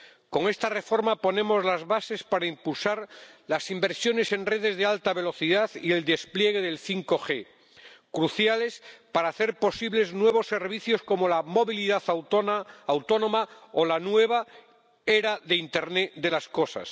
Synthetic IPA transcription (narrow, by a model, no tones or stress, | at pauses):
ko̞ŋe̞st̪are̞fo̞ɾmapo̞nẽ̞mo̞zlazβase̞spaɾaimpulsaɾlasimbe̞ɾsjo̞ne̞se̞nre̞ð̞e̞zðealt̪aβ̞e̞lo̞θiðaθie̞ld̪e̞splje̞ɣ̞e̞ðe̞lθiŋko̞xe̞ | kɾuθjale̞spaɾaːθe̞ɾpo̞siβleznwe̞βo̞sːe̞ɾβiθjo̞sko̞mo̞lamo̞βiliðaθawoːwt̪o̞nõmaolanwe̞β̞a | e̞ɾaðe̞int̪e̞ɾned̪e̞lasko̞sa̰s